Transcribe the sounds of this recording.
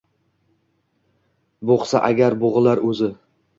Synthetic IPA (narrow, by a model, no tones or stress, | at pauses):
boqsa̰ʔaɡʲaɾboʁɨlaɾɵzɪ